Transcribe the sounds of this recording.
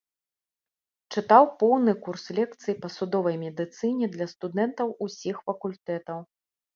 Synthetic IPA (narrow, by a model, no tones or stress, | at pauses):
t͡ʂɨt̪awpɔwnɨkurslʲɛkt̪sɨjipɐsud̪ɔvɐjmʲɛd̪ɨt̪sɨnʲɛd̪lʲɐst̪ud̪ɛnt̪ɐwusʲixfɐkulʲt̪ɛt̪ɐw